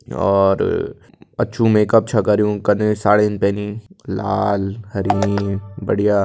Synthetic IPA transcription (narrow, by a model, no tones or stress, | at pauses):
ɔ̰ːɾ | ɐ̰ːʃʰũmeːkɐp̚t͡ʃʰakɐɾijũkɐɾnesaːɽeɪnpɛ̃ːnila̰ːlhɐɾiːmibɐɽijaː